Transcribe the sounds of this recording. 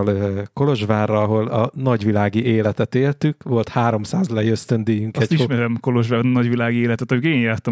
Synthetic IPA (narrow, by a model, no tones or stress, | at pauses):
lko̞lo̞ʒʋaːrːɒɒɦo̞lɒnɒɟʋilaːɡiʔeːlɛt̪ɛt̪eːlt̪ykʋo̞lt̪haːɾo̞msaːzlɛjøst̪ønd̪eːjyŋkɛiʃmɛɾɛmko̞loʒvaːrnɒɟʋilaːɡieːlɛt̪ɛt̪ɒmykeːnjaːrt̪ɒ